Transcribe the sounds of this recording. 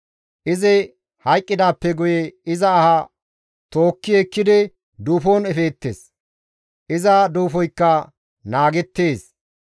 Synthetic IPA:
ʔɪzɪ | hɐjkʼːɪd̪aːpːɛɡʊjɛɪzɐːhɐ | t̪o̞ːkːɪekːɪd̪ɪ | d̪uːfoːnɛfeːt̪ːeːs | ʔɪzɐd̪uːfɔjkːɐ | naːɡɛt̪ːeːs

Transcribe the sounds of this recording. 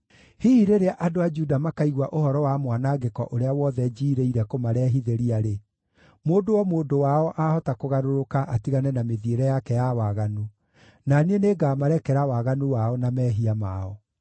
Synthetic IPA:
hiiɾeɾeaʔadoad͡ʒudamakaiɣwaʔohɔɾɔwamwanaɡekɔ̰ʔoɾeawɔðɛd͡ʒiːɾeiɾɛkomaɾɛːɦiðeɾiaɾe | moːdowɔmoːdowaɔʔahɔtakoɣaɾoɾokaʔatiɣanɛnameðieɾɛjakɛjawaɣanu | naneneɡamaɾɛkɛɾawaɣanuwaɔnamɛːɦiama̰ɔ

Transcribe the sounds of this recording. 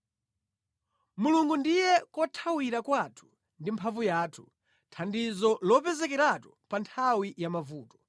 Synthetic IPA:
muluŋɡundijɛkɔtʰawiɾakwatʰu̥ | ndimpʰavujaːtʰu̥ | tʰandizɔlɔpɛzɛkɛɾatɔ̥pantʰawijamavuːtɔ̥

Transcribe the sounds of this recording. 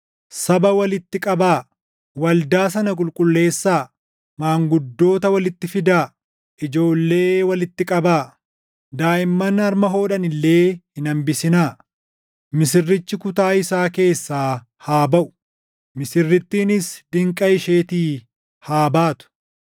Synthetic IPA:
sɐbɐwɐlɪt̪ːɪkʼɐbaː | wɐld̪aːs̬ɐnɐk̬ʼʊlkʼʊlːe̞ːsːaː | maːŋɡʊd̪ːo̞ːt̪ɐwɐlɪt̪ːɪfɪd̪aː | ʔɪd͡ʒo̞ːlːe̞ːwɐlɪt̪ːɪkʼɐbaː | d̪aːʔɪmːɐnɐɾmɐɦo̞ːᶑɐnɪlːe̞ːhɪnɐmbɪsɪnaː | mɪsɪrːɪt͡ʃːɪkʊt̪aːɪsaːke̞ːsːaː | haːbɐʔʊ̥ | mɪsɪrːɪt̪ːiːnɪsd̪ɪŋkʼɐɪʃeːt̪iː | haːbaːt̪ʊ̥

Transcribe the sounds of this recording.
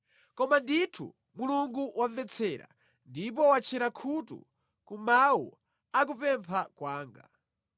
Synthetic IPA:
kɔmanditʰṵ | muluŋɡuwʔaɱvɛt͡sʰɛɾa̰ | ndipɔwat͡ʃʰɛɾakʰutṵ | kumawu | ak̬upɛmpʰakwaːŋɡa̰

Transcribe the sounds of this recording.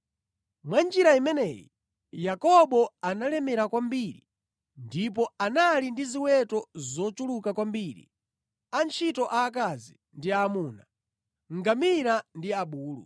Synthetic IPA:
mwand͡ʒiɾaimɛnɛjḭ | jakɔɓɔanalɛmɛɾakwambiɾi | ndip̬ɔanalindiziwɛtɔzɔt͡ʃulukakwambiːɾḭ | ant͡ʃʰitɔʔaːk̬azi | ndiamuːna | ŋɡamiɾandiaɓuːlṵ

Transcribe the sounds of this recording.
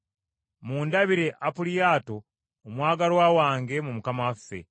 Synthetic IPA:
muːndaβiɾe̞ʔapulijaːto̞ː | mwaːɡaɾwaːwaːŋɡe̞mumukamafːe̞̰

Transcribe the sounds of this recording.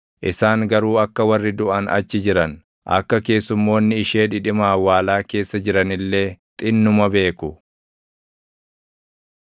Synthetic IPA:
ʔɪsaːŋɡɐɾuːɐkːɐwɐrːɪd̪ʊʔɐnɐ̰t͡ʃːɪd͡ʒɪɾɐn | ʔɐ̰kːɐke̞ːsːʊmːo̞ːnːɪɪʃe̞ːᶑɪᶑɪmaːwaːlaːke̞ːsːɐd͡ʒɪɾɐnɪlːe̞ːt̪ʼɪnːʊmɐbe̞ːkʊ

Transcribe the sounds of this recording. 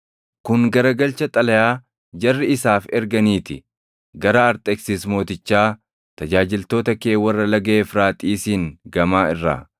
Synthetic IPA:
kʊŋɡɐɾɐɡɐlt͡ʃɐt̪ʼɐlɐjaː | d͡ʒɐrːɪɪsaːfɛɾɡɐniːt̪ɪ | ɡɐɾɐːɾt̪ʼɛksiːsmo̞ːt̪ɪt͡ʃːaː | t̪ɐd͡ʒaːd͡ʒɪlt̪o̞ːt̪ɐkeːwɐrːɐlɐɡɐeːfɾaːt̪ʼiːsiːŋɡɐmaːɪrːa̰ː

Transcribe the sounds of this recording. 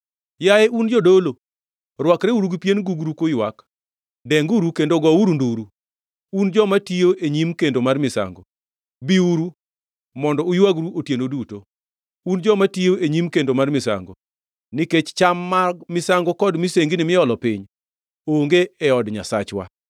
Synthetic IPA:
jaeʔund͡ʒɔdolo | rwakɾeuɾuɡipjenɡuɡɾukojwak | dɛŋɡuɾukendoɡɔuɾunduɾu | und͡ʒɔmatioʔeɲimkendomarmɪsa̰ŋɡo | biuɾu | mɔndɔujwaɡɾuʔotjenoduto | und͡ʒɔmatioʔeɲimkendomarmɪsa̰ŋɡo̰ | nɪket͡ʃt͡ʃamːamɪsaŋɡokɔdmiseŋɡinɪmɪɔlɔpɪɲ | oŋɡeɛɔdɲa̰sat͡ʃwa̰

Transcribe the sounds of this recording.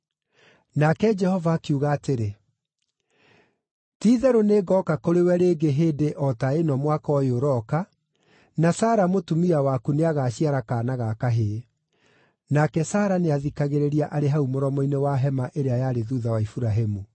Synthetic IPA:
nakɛd͡ʒɛhɔvakuɣaːteɾe | tiðɛɾoneːɡɔkakoɾewɛɾeːɡeɦeːdeʔɔtaenɔmwakɔjoɾɔka | nasaːɾamotumiawakuneaɣaːɕiaɾakaːnaɣakaɦe | nakɛsaːɾaneaðikaɣeɾeɾiaʔaɾeɦaumoɾɔmɔinewaɦɛmaʔeɾeajaːɾeðuðawaifuɾaɦemu

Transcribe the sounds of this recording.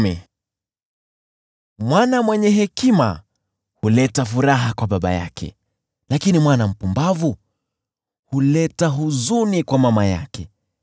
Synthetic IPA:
ɛ | mwanamwɛɲɛɦɛkima̰ | hulɛtafuɾaɦakwaɓaɓa̰ja̰kʰɛ̰ | lakinimwanam̩pumbavu | hulɛtaɦuzunikwamamaja̰kɛ

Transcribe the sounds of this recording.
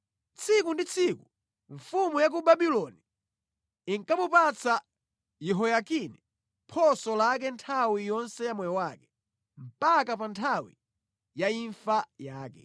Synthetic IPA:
t͡sʰikundit͡sʰiku | ɱfumujak̬ubabilɔni | iŋkamupat͡sʰa | jɛɦɔjakinɛ | pʰɔsɔlak̬ɛntʰawijɔnsɛjamwɛjɔwakɛ̥ | m̩pakapantʰawḭ | jaiɱfajaːkɛ̰

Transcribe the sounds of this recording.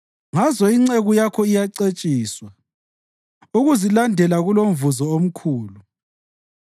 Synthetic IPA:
ŋazɔiŋ͡ǀeɣujakʰɔijaǀet͡ʃʼiːswa | uɣuzilandʱɛlaɣulomvuzɔom̩kʰuːlu

